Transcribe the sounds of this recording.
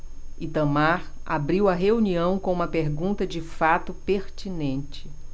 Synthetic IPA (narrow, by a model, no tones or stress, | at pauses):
it̪ɐ̃maɾa̰bɾiwɐɦeuniɐ̃w̃kõũmɐpeɾɡũnt̪ɐd͡ʒɪfat̪ʊpeɾt͡ʃinẽnt͡ʃɪ̥